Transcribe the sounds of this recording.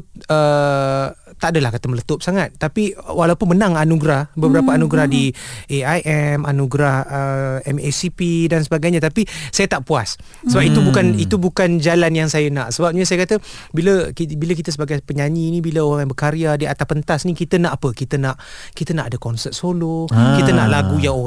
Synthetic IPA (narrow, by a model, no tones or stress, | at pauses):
ə | t̪aʔadəlahkat̪əmələt̪ʊp̚saŋat̪̚ːapiwʔalaupʊnmənãŋanuɡɾahbəbəɾapaanuɡɾahdiʔeajʔɛmanuɡɾahəɛmesipidansəbaɡajɲat̪apisajat̪aʔpuas | səbap̚it̪ubukanit̪ubukand͡ʒalanjaŋsajənaʔsəbap̚ɲasajəkat̪ə | biləkibilək̬it̪əs̬əbaɡajpəɲaɲinibiləoɣaŋjabəkaɾiadiat̪apənt̪asnikit̪ənaʔapəkit̪ənaʔkit̪ənaʔadəkɔnsət̪̚solokiənaʔlaɡujao